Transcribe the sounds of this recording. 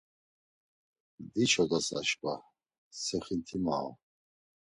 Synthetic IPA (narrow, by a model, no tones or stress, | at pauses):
d̪it͡ʃʰɔd̪asa̰ʃba | sɛχint̪ʰima̰